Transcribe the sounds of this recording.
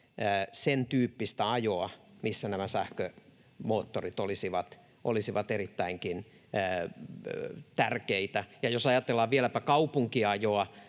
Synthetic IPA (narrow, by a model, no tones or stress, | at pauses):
əːsent̪yːpːist̪æɑjoɑmisːænæmæsæhkø | moːt̪ːorit̪olisiʋɑt̪ | ʔo̰lisiʋɑt̪erit̪ːæiŋkinː | t̪ærkeit̪æjɑjosɑjɑt̪elːɑʋʋielæpækɑupuŋkiɑjoɑ